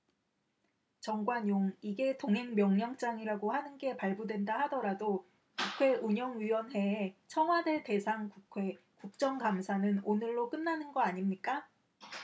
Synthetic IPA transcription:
t͡ɕʌŋɡwaɲjoŋiɡe̞toŋɦe̞ŋmjʌŋɲaŋt͡ɕ͈aŋiɾaɡohanɯnɡe̞paɭbodwe̞ndahadʌɾado | kukʰwe̞uɲʌŋɥiwʌnɦe̞ːt͡ɕʰʌŋɦwadeɭte̞sʰaŋkukʰwe̞ | kuk̚t͡ɕ͈ʌŋkamsʰanɯnonɯɭːok͈ɯnːanɯnɡʌaɲimɲik͈a

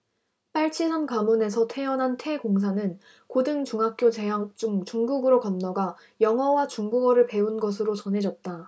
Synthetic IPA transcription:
p͈aɭt͡ɕʰisankamune̞s̬ʰʌtʰe̞jʌnɦantʰe̞ɡoŋs̬ʰanɯn | kodɯŋt͡ɕuŋɦak͈̚jot͡ɕeɦat͡ɕ͈uŋt͡ɕuŋɡuɡɯɾokʌnːʌɡa | jʌŋɦʌwat͡ɕuŋɡuɡʌɾɯɭpe̞unɡʌs̬ʰɯɾot͡ɕʌnɦe̞d͡ʑʌt̚t͈a

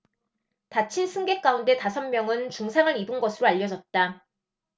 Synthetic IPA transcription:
tat͡ɕʰinsʰɯŋɡe̞k͈aunde̞tasʰʌmmjʌŋɯnt͡ɕuŋsʰaŋɯɾibɯnɡʌsʰɯɾoaʎːʌd͡ʑʌt̚t͈a

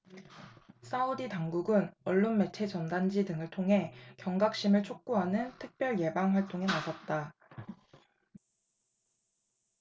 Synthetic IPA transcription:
sʰauditaŋɡuɡɯnʌɭːonme̞t͡ɕʰe̞t͡ɕʌndand͡ʑidɯŋɯɭtʰoŋɦe̞kjʌŋɡak̚ɕ͈imɯɭt͡ɕʰok̚k͈uɦanɯntʰɯk̚p͈jʌɭje̞baŋɸwaɭt͈oŋɦe̞nasʰʌt̚t͈a

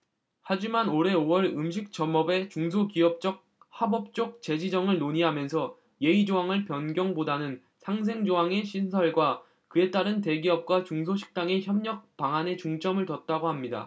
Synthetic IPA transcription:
had͡ʑimanoɾe̞oʌɾɯmɕʰik̚t͡ɕʌmʌbe̞t͡ɕuŋs̬ʰokiʌp̚t͡ɕ͈ʌk̚ | habʌp̚t͡ɕ͈ok̚t͡ɕe̞d͡ʑid͡ʑʌŋɯɭnoɲiɦamjʌnsʰʌ | je̞id͡ʑoaŋɯɭpjʌnɡjʌŋbodanɯn | sʰaŋs̬ʰe̞ŋd͡ʑoaŋe̞ɕʰinsʰʌɭɡwa | kɯe̞t͈aɾɯnte̞ɡiʌp̚k͈wat͡ɕuŋs̬ʰoɕʰi̥k̚t͈aŋe̞çjʌmɲʌk̚p͈aŋane̞t͡ɕuŋt͡ɕ͈ʌmɯɭtʌt̚t͈aɡohamɲida̰

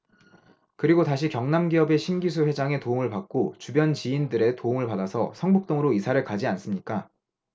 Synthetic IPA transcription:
kɯɾiɡotaɕ̬ʰikjʌŋnamɡiʌbe̞ɕʰimɡisʰuɸwe̞d͡ʑaŋe̞tooŋɯɭpak̚k͈ot͡ɕubjʌnt͡ɕiːndɯɾe̞toŋɯɭpadasʰʌ̰sʰʌŋbuk̚t͈oŋɯɾoisʰaɾɯɭkad͡ʑians͈ɯmɲik͈a

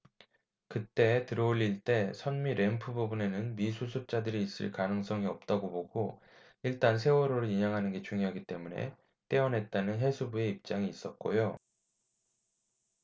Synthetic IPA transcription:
kɯt͈e̞tɯɾʌuʎːiɭt͈e̞sʰʌnmiɾʔe̞mpʰɯbubune̞nɯnmisʰusʰup̚t͡ɕ͈adɯɾiːs͈ɯ̰ɭkanɯŋs͈ʌŋiʌp̚t͈aɡoboɡo | iɭt͈ansʰe̞oɾoɾɯɭiɲaŋɦanɯnɡe̞t͡ɕuŋjoɦaɡit͈e̞mune̞̰ | t͈e̞ʌnɦe̞t̚t͈anɯnɦe̞sʰubue̞ip̚t͡ɕ͈aŋiːs͈ʌt̚k͈o̰jo

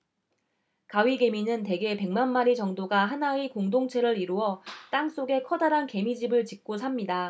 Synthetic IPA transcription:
kaɥiɡe̞minɯnte̞ɡe̞pe̞ŋmanmaɾit͡ɕʌŋdoɡaɦanaikoŋdoŋt͡ɕʰe̞ɾɯɾiɾuʌt͈aŋs͈oɡe̞kʰʌdaɾanke̞mid͡ʑibɯɭt͡ɕik̚k͈osʰamɲida

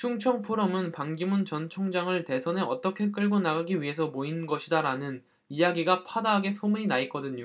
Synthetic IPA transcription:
t͡ɕʰuŋt͡ɕʰʌŋpʰoɾʌmɯnpaŋɡimunt͡ɕʌnt͡ɕʰoŋd͡ʑaŋɯɭte̞sʰʌne̞ʌt͈ʌkʰe̞k̬͈ɯɭɡonaɡaɡiɥiɦe̞sʰʌmoinɯnɡʌɕʰidaɾanɯn | ijaɡiɡapʰadaɦaɡe̞sʰomuɲinaik͈ʌdɯɲo

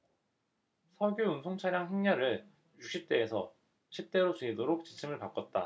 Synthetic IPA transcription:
sʰʌɡjounsʰoŋt͡ɕʰaɾjaŋɦeŋɲʌɾɯɭ | juk̚ɕ͈ʰip̚t͈e̞ːsʰʌ | ɕʰip̚t͈e̞ɾot͡ɕeidoɾok̚t͡ɕi̥t͡ɕʰimɯɭpak͈ʌt̚t͈a̰

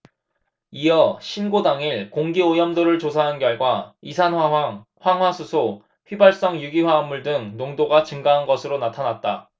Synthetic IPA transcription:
ijʌɕʰinɡodaŋiɭkoŋɡiojʌmdoɾɯɭt͡ɕosʰaɦankjʌɭɡwaisʰanwaa | ɸwaŋɦwasʰusʰo | ɸɥibaɭs͈ʌŋjuɡiɸwaːmːuɭdɯŋnoŋdoɡat͡ɕɯŋɡaɦanɡʌsʰɯɾonatʰanat̚t͈a

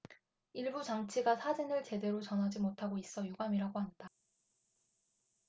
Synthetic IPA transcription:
iɭbut͡ɕaŋt͡ɕʰiɡasʰad͡ʑinɯɭt͡ɕe̞de̞ɾot͡ɕʌnɦad͡ʑimotʰaɡois͈ʌjuɡamiɾaɡoɦanda

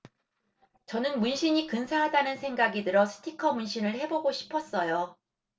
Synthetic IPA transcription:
t͡ɕʌnɯnmunɕʰiɲikɯnsʰaɦadanɯnsʰe̞ŋɡaɡidɯɾʌsʰɯ̥tʰikʰʌmunɕʰinɯɭhe̞boɡoɕʰi̥pʰʌs͈ʌjo

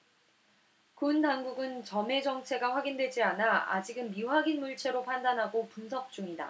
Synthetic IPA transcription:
kundaŋɡuɡɯnt͡ɕʌme̞d͡ʑʌŋt͡ɕʰe̞ɡaɸwaɡindwe̞d͡ʑianaa̰d͡ʑiɡɯnmiwaɡinmuɭt͡ɕʰe̞ɾopʰandanɦaɡopunsʰʌk̚t͡ɕ͈uŋida̰

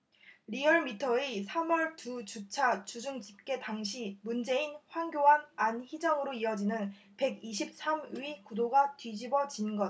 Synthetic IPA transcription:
ɾiʌɭmitʰʌisʰamwʌɭtut͡ɕut͡ɕʰat͡ɕud͡ʑuŋd͡ʑip̚k͈e̞taŋɕʰimund͡ʑe̞inɸwaŋɡjoɦanançid͡ʑʌŋɯɾoiʌd͡ʑinɯn | pe̞ɡiɕ̬ʰip̚s͈ʰamɥikudoɡatɥid͡ʑibʌd͡ʑinɡʌ

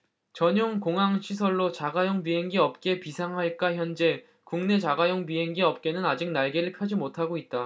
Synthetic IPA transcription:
t͡ɕʌɲoŋkoŋɦaŋɕʰisʰʌɭːot͡ɕaɡajoŋpiɦe̞ŋɡiʌp̚k͈e̞pisʰaŋɦaɭk͈açjʌnd͡ʑe̞ | kuŋne̞t͡ɕaɡajoŋpiɦe̞ŋɡiʌp̚k͈e̞nɯnad͡ʑik̚naɭɡeɾɯɭkʰjad͡ʑimotʰaɡoit̚t͈a

